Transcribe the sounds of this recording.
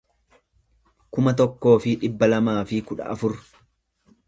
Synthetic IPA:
kʊmɐt̪ɔkːo̞ːfɪᶑɪbːɐlɐmaːfɪkʊᶑɐ̰ɐfʊɾ

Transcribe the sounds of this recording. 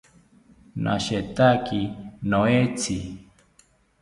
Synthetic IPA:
nʔa̰ʃet̪akinoet͡sʰi

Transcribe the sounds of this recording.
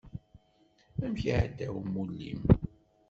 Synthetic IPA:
æmçiʕəd̪ːæwmːulːḭm

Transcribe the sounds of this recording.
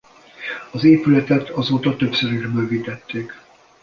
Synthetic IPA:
ɒzeːpylɛt̪ɛt̪ʰɒzoːt̪ɒt̪ø̞psøɾiʒbøːvit̪ɛt̪ːeːk

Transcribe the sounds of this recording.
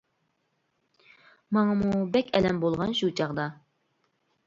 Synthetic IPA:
mɑŋɑmubɛkʲɛlɛmbolˠʁɑnʃut͡ʃʰɑʁd̪ɑ

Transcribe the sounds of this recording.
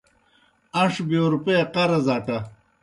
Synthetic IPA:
ɐʂbioɾupeqɐɾɐzaːʈɐ

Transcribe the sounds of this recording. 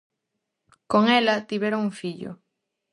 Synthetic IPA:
koŋelat̪iβeɾoŋuŋfiʎo̰

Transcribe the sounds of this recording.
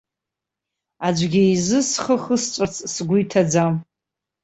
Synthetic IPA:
ad͡ʒʷɡʲɪizɨsχəχəst͡ʃʷʼat͡sʼsɡʷʊjtʰad͡zam

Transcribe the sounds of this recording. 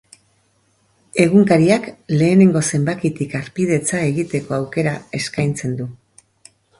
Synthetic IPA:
e̞ɣ̞uŋkaɾiakle̞ːne̞ŋɡo̞se̞mbakit̪ikaɾpið̞e̞t͡sae̞ɣit̪e̞ko̞awke̞ɾae̞skajnt͡se̞nd̪u

